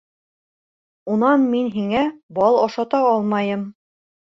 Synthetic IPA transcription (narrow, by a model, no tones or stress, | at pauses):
unɑnminɦiŋæbɑlˠɑʃɑt̪ɑɑlˠmɑjɤm